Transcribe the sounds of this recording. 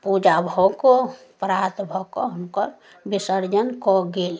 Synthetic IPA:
pud͡ʒabʱɔko | pɾat̪bʱɔkoɦəmkəɾ | bisəɾd͡ʒənkɔɡel

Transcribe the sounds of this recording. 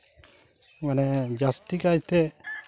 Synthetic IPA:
manɛd͡ʒast̪ikajt̪ɛ

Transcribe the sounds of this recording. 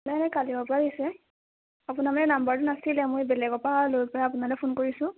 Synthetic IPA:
lɛanɛkalibɔpɔɹadisɛ | apʊnamanɛnambaɹtʊnasilɛmojbɛlɛɡɔpalojpɔɹaːp̬ʊnalɛpʰonkoɹisʊ̃

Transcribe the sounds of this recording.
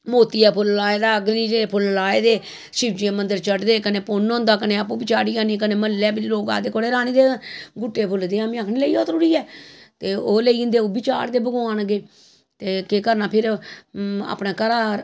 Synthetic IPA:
moːt̪iːɛːpʰʊllaːeːd̪aːɡniːɾeːpʰʊllaːeːd̪eː | ʃɪʋd͡ʒẽːmənd̪əɾt͡ʃəɽd̪eːkəneːpʊnõːnd̪aːkəneːapũːbɪt͡ʃaːɾiːãːnĩːkəneːməlːɛːbɾiːloːka̰ːd̪eːkoːɽeːɾaːnĩːd̪eːɡʊʈːeːpʰʊld̪eːãːmĩːaːkʰniːləiːoːt̪əɾuːɾiːɛːt̪eːoːleĩːnd̪eːoːbɪt͡ʃa̰ːɽd̪eːbəɡoaːnɡeː | t̪eːkeːkəɾnãːpʰɪɾ | a̰ːpnãːkəɾaːɾ

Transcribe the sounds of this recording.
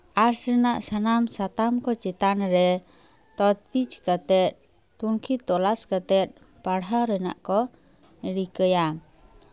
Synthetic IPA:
aɾsɾɛnaʔsanamsat̪amkɔt͡ʃɛt̪anɾɛ | t̪ɔt̪̚pit͡ʃkat̪ɛt̪̚ | t̪unkʰit̪ːɔlaskat̪ɛt̪̚ | paɽɦaɾɛna̰ʔkɔ | əɽikəjam

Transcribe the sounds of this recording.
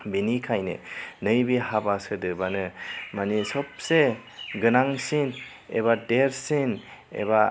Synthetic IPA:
binikʰajnɯ̰nɯjbihabasɯdɯbanɯmanisɔp̚se | ɡɯnaŋsin | ḛbadeɾsin | ḛba

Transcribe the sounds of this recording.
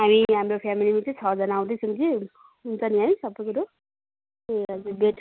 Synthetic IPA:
ɦamiɦamɾopʰamilimat͡saj̃t͡sʰʌd͡zʌnãːw̃d̪ʌjsʰʌŋt͡si | ɦunt͡sʰʌniɦaj̃sʌbːʌjkuɾo | eʌd͡zubeʈʰ

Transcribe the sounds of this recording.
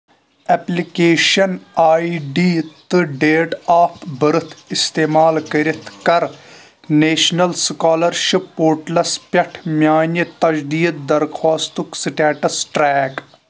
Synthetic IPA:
ɛplikeːʃɐnaːiɖiːt̪ɨɖeːʈaːpʰbɐɾɨt̪ʰist̪eːmaːlkɐɾit̪ʰkɐɾ | neːʃnɐlskaːlɐɾʃipːoːɾʈlɐspʲɐʈʰmʲjaːnit̪ɐd͡ʒd̪iːd̪̚d̪ɐɾxʰaːst̪uksiʈaːʈɐsʈɾɛːk

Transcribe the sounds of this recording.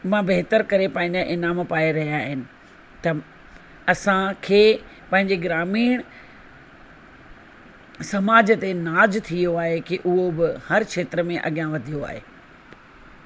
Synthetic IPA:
mãbeɦt̪əɾkɐɾepɐ̃ɦɪ̃ɲd͡ʑaʔɪnaːmpaːeɾɐɦijaːɦɪnɪ̆ | t̪ɐ | ɐsãkʰeː | pɐ̃ɦɪ̃ɲd͡ʑeɡɾaːmiːɽ̃ | sɐmaːd͡ʑət̪enaːd͡ʑt̪ʰijoaːɦekiʔʊɦobɪhɐɾkʃeːt̪ɾəmẽʔɐ̰ɠjãʋɐd̪ʱijoa̰ːɦḛː

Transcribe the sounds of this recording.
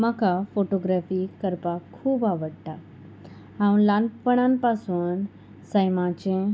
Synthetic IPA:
məkʰafoʈoɡɾafiːkəɾpakʰːuːbaʋəɽt̪a | ɦãwuɳlãnpəɳ̃ãmpasuːn | səjmat͡ɕẽ

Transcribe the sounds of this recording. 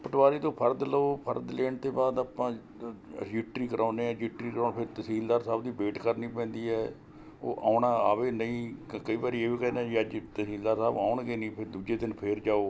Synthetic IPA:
pəʈʋaːɾiːt̪õːpʰəɾd̪loːpʰəɾd̪leːɳt̪eːbaːd̪aːpãː | d͡ʒɪʈɾiːkəɾʔaːneːɛ̃ːd͡ʒɪʈɾiːkɾãːnpʰɪɾt̪əsiːld̪aːɾsaːbd̪iːbeːʈkəɾniːpɛ̃ːnd̪iːɛː | o̰ːʔaːɳaːa̰ːʋeːnəĩːkəiːbaːɾiːeːʋiːkɛːnɛ̃ːd͡ʒiəd͡ʒt̪əsiːld̪aːɾsaːbaːʊɳɡeːnĩːpʰɪɾd̪uːd͡ʒeːd̪ɪnpʰɪɾd͡ʒaːoː

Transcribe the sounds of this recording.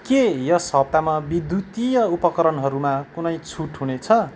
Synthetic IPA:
kejʌsʌb̚t̪amabid̪jut̪ijʌupʌkʌɾʌnɦʌɾumakunʌjt͡sʰuʈɦunet͡sʰʌ

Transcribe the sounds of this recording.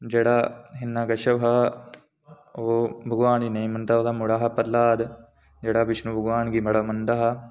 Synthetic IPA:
d͡ʒeːɽaːɦɪnːaːɡəʃəʋɦa | oːbʱəɡʋaːniːnəĩːmə̃nd̪aːoːd̪aːmʊɽaːɦapəɾlaːd̪ | d͡ʒeːɽaːbɪt͡ʃʰnũːbʱəɡʋaːnɡiːməɽaːmə̃nd̪aːɦaː

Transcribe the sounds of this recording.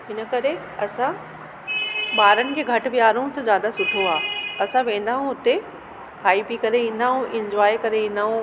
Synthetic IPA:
ɦɪnəkɐɾe | ɐsã | ɓaːɾənɪ̆kʰeːɡʱɐʈʊ̆ʋijaːɾũt̪ɐd͡ʑaːd̪asʊʈʰoaːɐsãʋẽːn̆d̪aːɦũʊt̪e | kaːipikɐɾeʋĩnd̪aːũɪ̃ɲd͡ʑwaːekɐɾeĩnaːũ

